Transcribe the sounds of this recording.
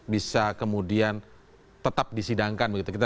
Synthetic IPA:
bisakəmudian | t̪ət̪ap̚disidaŋkanbəɡit̪ukit̪a

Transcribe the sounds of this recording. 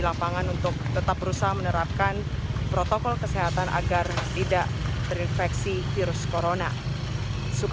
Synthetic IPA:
lapaŋanunt̪ʊk̚t̪ət̪ap̚bəɾusaɦmənəɾap̚kanpɾot̪okɔlkəseɦat̪anʔa̰ɡart̪idaʔt̪əɾinfɛksifiɾʊskoɾona | suk

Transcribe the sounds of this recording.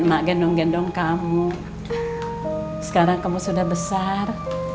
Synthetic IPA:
maʔɡɛndɔŋɡɛndɔŋkamu | sə̥kaɾaŋkamusudahbəsar

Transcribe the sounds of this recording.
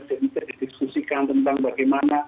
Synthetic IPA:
sɛbisadidiskusikant̪ənt̪aŋbaɡajmana

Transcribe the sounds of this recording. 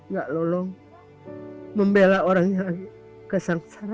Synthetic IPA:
ŋɡaʔlolɔŋ | məmbelaoɾaŋjaɡ | kəsaŋsaɾa

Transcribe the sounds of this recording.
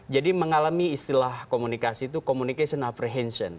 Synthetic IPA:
d͡ʒadiməŋalamiːst̪ilahkomunikasiːt̪ukomunikesiɔnapɾeɦɛnsiɔ̰n

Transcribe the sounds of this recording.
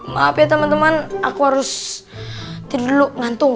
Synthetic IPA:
mapiat̪əmant̪əmanakuɦaɾʊs | t̪idəlʊʔŋant̪ʊŋ

